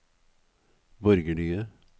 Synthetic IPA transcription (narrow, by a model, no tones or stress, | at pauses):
bɔɾɡəɖyːə